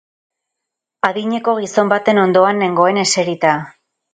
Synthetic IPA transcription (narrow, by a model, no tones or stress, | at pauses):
aðiɲe̞ko̞ɣ̞iso̞mbat̪e̞no̞nd̪o̞ane̞ŋɡo̞e̞ne̞se̞ɾit̪a